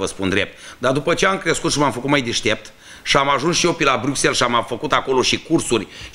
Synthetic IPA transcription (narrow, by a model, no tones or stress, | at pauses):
vəspund̪ɾe̞p̚t̪d̪ard̪upət͡ʃe̞amkɾe̞skut̪ʃimamfəkut̪majd̪eʃt̪e̞p̚t̪ | ʃiamaʒunsʃiopilabɾʲukse̞lʃiamafəkut̪ako̞lo̞ʃikursurʲ